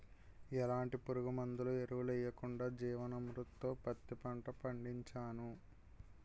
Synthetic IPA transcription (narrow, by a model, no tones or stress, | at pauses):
ɛlaːɳʈipuɾuɡumɐnd̪ulueɾuʋulɛjːɐkuɳɖaːd͡ʒiːʋɐnɐmɾut̪ːo̞ːpɐt̪ːipɐɳʈɐpɐɳɖiɲt͡ʃaːnu